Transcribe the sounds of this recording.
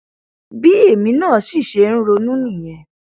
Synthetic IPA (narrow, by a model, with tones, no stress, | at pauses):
bi˦e˦˨mĩ˧˦nãː˦˨˦si˦˨ʃe˨˧˦ɾ̃ũ˦ɾo˧nũ˦nĩ˦˨j̃ɛ̃˨˧